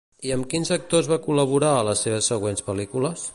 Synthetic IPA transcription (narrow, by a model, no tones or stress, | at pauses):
iəmkinzək̚t̪ozβakuləβ̞uɾaələsːeβ̞əsːəɣwenspəlikuləs